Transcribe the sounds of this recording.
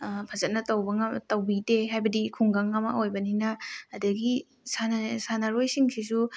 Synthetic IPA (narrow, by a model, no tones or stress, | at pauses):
pʰɐzɐt̚nɐtɐwbɐŋtɐwbiteɦajbɐdikʰuŋɡaŋɐmɐ̰ojbɐninɐːdɐɡi | sansanaɾojsiŋsʰis̬u